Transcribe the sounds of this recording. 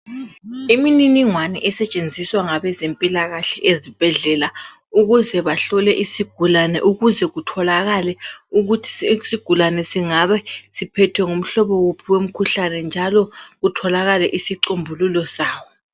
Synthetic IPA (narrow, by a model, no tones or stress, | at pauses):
imininiŋwanɛ̰ʔɛsɛt͡ʃʼend͡zʱiswaŋaβɛzempʼilaɣaɬɛʔezib̥ʱɛɮɛla | uɣuzɛβaɬɔlɛʔisiɡ̥ʱulanɛ̰ʔuɣuzɛɣutʰɔlaɣalɛuɣutʰi̥siɡ̥ʱulanɛsiŋaβɛsipʰɛtʰwɛŋum̩ɬɔβɔwopʰiwem̩kʰuɬanɛnd͡ʒʱalɔɣutʰɔlaɣalɛʔisiǀombʱululɔsaːwɔ